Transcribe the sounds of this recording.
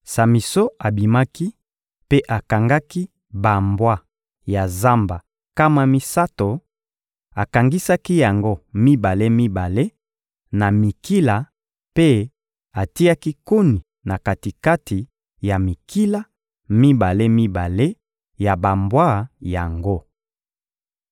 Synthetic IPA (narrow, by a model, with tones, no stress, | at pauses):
sa˨mi˨so˦a˨bi˨ma˦ki˦ | pe˦ʔa˨ka˨ŋɡa˦ki˦ | ba˨mbwa˦ | ja˨za˦mba˨ | ka˦ma˦mi˦sa˦to˨ | a˨ka˨ŋɡi˦sa˦ki˦ja˨ŋɡo˦mi˦ba˨le˦mi˦ba˨le˦ | na˨mi˨ki˦la˨ | pe˦ | a˨ti˦a˦ki˦ko˦ni˨ | na˨ka˨ti˨ka˦ti˨ | ja˨mi˨ki˦la˦ | mi˦ba˨le˦mi˦ba˨le˦ | ja˨ba˨mbwa˦˨ja˨ŋɡo˦